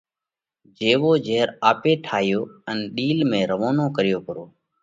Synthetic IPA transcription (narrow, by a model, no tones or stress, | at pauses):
d͡ʒeːʋoːd͡ʒeːɾaːpeːʈʰaːɦɪjoːənɗiːlmẽːɾəʋoːnoːkəɾɪjoːkəɾoː